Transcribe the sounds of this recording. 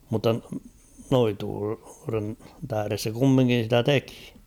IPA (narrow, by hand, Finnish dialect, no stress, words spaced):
mutːɑ noituːren tæhæ̆res se kumːiŋkin̞ sitæ teki̥